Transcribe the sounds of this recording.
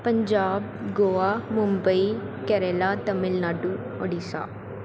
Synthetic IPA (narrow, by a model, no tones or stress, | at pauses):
pəɲd͡ʒaːb̚ɡoːaːmʊmbəiː | kɛɾeːlaːt̪əmɪlnaːɖũː | ɔɖiːsa̰ː